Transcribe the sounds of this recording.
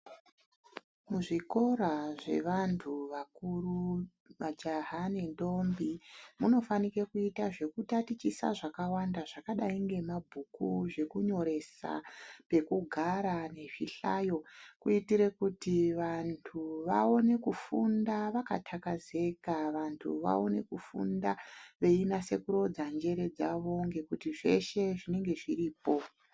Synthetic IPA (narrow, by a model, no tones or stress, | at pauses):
muʐiko̞ɾaʐe̞̰ʋantʰuʋakuru | ʋad͡ʒaɦanendo̞mbimuno̞fanikekuitaʐe̞kutatit͡ʃisa̰ʐakawandaʐakaɗaiŋɡe̞mabʱukuʐe̞kuɲo̞ɾe̞sa̰pe̞kuɡʱaɾane̞ʐḭɬajo̞kuitiɾe̞kutiʋantʰuʋa̰o̞ne̞kufundaʋaka̰tʰakaze̞kaʋantʰṵʋa̰o̞̰ne̞kufṵndaʋe̞inase̞kuɾo̞d͡zand͡ʒe̞ɾe̞d͡zaʋo̞ŋɡe̞kutiʐe̞ʃeʐine̞ŋɡe̞ʐiriːpo̞